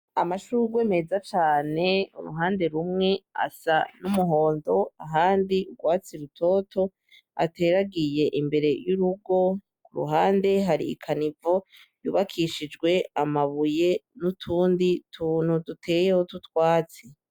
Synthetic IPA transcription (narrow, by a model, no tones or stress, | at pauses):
amaʃuɾuɡwe̞ːme̞zat͡ʃaːne̞ṵɾṵɦaːnde̞ɾumŋe̞a̰sanumuɦo̞ːndo̞aɦaːndiɡwaːt͡siɾutʰo̞ːtʰo̞ | a̰te̞ːɾaɡije̞ʔimbe̞ɾe̞juɾuɡo̞ | kuɾṵɦaːnde̞ɦaɾḭḭkʰanivo | juβakʰiʃid͡ʒɡwe̞amaβuje̞nutʰuːnditʰuːn̥hudutʰe̞ːje̞hotutwaːt͡si